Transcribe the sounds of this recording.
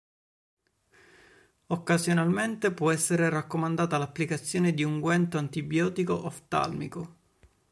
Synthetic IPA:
okːazjonalment̪epwɔɛsːeɾerakːomand̪aːt̪alapːlikat̪sːjoːned̪iuŋɡwɛnt̪oant̪ibjɔːt̪ikoʔɔft̪a̰lmḭko

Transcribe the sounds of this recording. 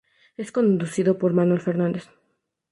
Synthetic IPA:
e̞sko̞nd̪usiðo̞po̞ɾmanwe̞lfe̞ɾnãnd̪e̞s

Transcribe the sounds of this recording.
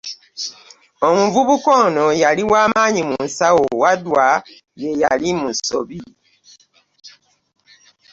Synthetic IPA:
omuvuβuko̞ːno̞jaliwaːmaːɲimunsawowadwa | je̞jalimuso̰βi

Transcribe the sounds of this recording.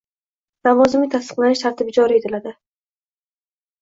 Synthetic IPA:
lavɒzɪmɪt̪ʰast̪ɨ̥qlˠanɪʃt̪ʰaɾt̪ʰɪbɪd͡ʒɒɾɪet̪ʰɪlad̪ɪ

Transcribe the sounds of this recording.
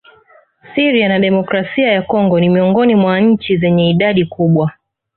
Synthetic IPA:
siɾianaɗɛmɔkɾasiajakɔŋɡɔnimiɔŋɡɔnimwaɲ̩t͡ʃizɛɲɛiɗaɗikuɓwa

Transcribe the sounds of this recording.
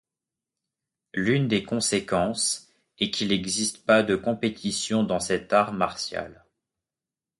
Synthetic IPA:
lynd̪ekɔ̃sekɑ̃s | ɛkʰilɛɡzist̪pad̪əkɔ̃pet̪ʰisjɔ̃d̪ɑ̃sɛt̪aʁmaʁsja̰l

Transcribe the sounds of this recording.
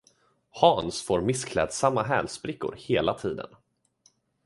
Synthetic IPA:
hɑːnsfoːɾmɪskʰlɛ̰ːd̪samːaɦɛ̰ːlspɾɪkːʊ̰ɾheːlat̪ʰiːd̪ə̰n

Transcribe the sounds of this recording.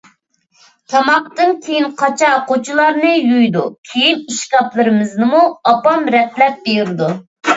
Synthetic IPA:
t̪ʰɑmɑq̚t̪ɨnkʲʰejinqʰɑt͡ʃʰɑqot͡ʃʰulˠɑɾnɨjujd̪ukʲʰejiniʃkʲɑplˠɨɾɨmɨznɨmuɑpɑmɾɛplɛp̚bejɾɪd̪u

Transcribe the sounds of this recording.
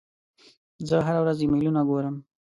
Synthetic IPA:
zəɦaɾawɾazjemelunaɡoɾəm

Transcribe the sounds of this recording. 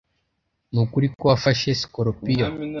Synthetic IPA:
nukuɾikwafaʃeskɔɾɔpija

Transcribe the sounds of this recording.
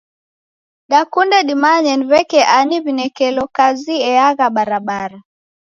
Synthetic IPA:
ɗakundɛɗimaɲɛnvɛkɛʔaniβinɛkɛlɔkaziɛaɣaɓaɾaɓaɾa

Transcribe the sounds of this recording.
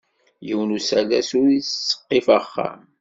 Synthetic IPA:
jiwnusælæsuɾisːə̥qːefəχːa̰

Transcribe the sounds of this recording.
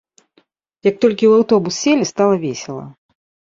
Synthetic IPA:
jɐk̚t̪ɔlʲkʲiwawt̪ɔbusːʲelʲist̪alˠɐvʲesʲɛlˠɐ̰

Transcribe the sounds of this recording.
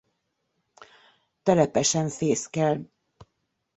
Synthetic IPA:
t̪ɛlɛpɛʃɛɱfeːskɛl

